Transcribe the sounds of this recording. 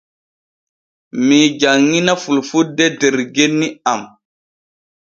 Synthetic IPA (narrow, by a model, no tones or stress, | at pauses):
mid͡ʒaŋːinafulfudːedeɾɡenːiam